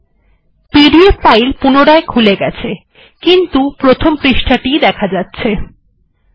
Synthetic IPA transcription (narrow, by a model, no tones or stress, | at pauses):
piɾiepajlpunoɽaekʰuleɡɛt͡ɕʰe | kint̪upɾot̪ʰompɾiʃʈʰaʈid̪ɛkʰad͡ʑatːɕʰe